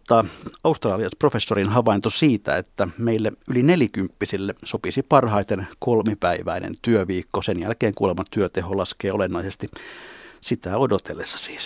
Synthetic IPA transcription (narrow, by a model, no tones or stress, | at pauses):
t̪ːɑːɑust̪rɑːliɑsprofesːorinhɑʋɑint̪osiːt̪æ̰et̪ːæmeilːeylinelikympːisilːesopisipɑrhɑit̪enkolmipæiʋæ̰inḛnt̪yøʋiːkːosenjælkeːŋkṵːlemɑt̪yøt̪eholɑskeːolenːɑisest̪i | sit̪æodot̪elːesːɑ̥si̥ːs